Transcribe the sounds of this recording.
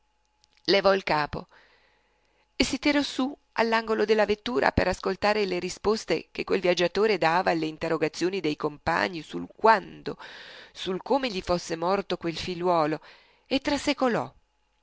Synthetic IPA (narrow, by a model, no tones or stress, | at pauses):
levɔilkaːpo̰ | esit̪iɾɔsu | a̰lːaŋɡolod̪elːavet̪ːuːɾa̰pḛɾaskolt̪aːɾeleɾispost̪ḛk̟ekːwelvjad͡ʒːat̪oːɾed̪aːvaːlːeiːnt̪erːoɡat̪sːjoːnid̪ejkompa̰ɲːisṵlkwand̪osulkoːmeʎifosːemɔrt̪okwelfilwɔːlo | et̪ːɾasekolɔ̰